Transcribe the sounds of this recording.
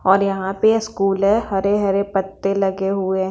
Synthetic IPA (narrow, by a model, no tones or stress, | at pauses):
ɔːɾjɐɦãpeskuːlɦɛhɐɾeɦɐɾepɐt̪ːelɐɡeɦʊe